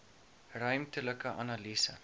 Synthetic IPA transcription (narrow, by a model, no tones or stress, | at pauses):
rœɥmtələkəʔɐ̰nɑlisə̰